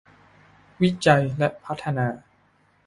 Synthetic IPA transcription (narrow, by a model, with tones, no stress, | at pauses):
wi˦˥t͡ɕa˧jlɛ˦˥ʔpʰa˦˥t̪ʰːa˧naː˧